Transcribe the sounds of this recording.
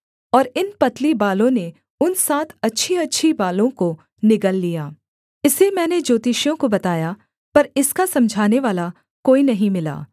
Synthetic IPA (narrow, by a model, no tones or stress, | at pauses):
ɔːɾɪnpɐt̪libaːlõne | ʊnsaːt̪ʰɐtːʃʰiɐtːʃʰibaːlõko | nɪkəlːijaː | ɪsemɛ̃ːned͡ʒoːt̪ɪʃjõkobɐt̪aːja | pɐɾɪskasɐ̃md͡ʒʱaːneʋaːla | koːinɐɦĩmɪla̰ː